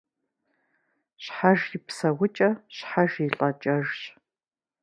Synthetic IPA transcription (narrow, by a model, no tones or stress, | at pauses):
ɕħaʒjɪpsɐwʊt͡ʃʼɐɕħaʒiɬʼɐt͡ʃʼɐʒɕ